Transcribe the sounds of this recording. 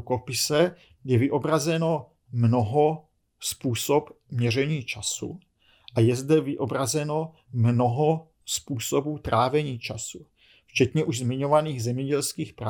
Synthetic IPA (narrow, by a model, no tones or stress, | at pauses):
kopɪsɛ | jɛvɪʔo̞bɾazɛno̞ | mno̞ɦo | spuːso̞p | mɲɛr̝ɛɲiːt͡ʃasṵ | ʔajɛzdɛvɪʔo̞bɾazɛno̞ | mno̞ɦo | spuːso̞buːt̪ɾaːvɛɲiːt͡ʃasu | ft͡ʃɛt̪ɲɛʔuʒzmɪɲo̞vaniːɣzɛmɲɛɟɛlskiːxpɾa